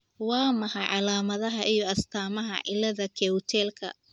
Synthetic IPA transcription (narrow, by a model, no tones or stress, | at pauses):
wɑːmɐhɑʕɑlaːmɐðɐɦɐʔijɞɐst̪ʰaːmɐɦɐ̰ʔɪlɐðɐkʰɛwt̪ʰɛːlkʰɐ̰